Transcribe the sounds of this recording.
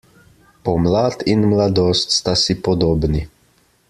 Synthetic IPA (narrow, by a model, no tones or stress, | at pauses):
pɔmlaːt̪inmlad̪oːst̪st̪asipɔd̪oːbni